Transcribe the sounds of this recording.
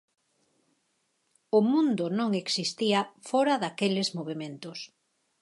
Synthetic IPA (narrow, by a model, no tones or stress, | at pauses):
ʊmũnd̪ʊnõŋeksist̪iafɔɾaðakelezmoβemẽnt̪ʊs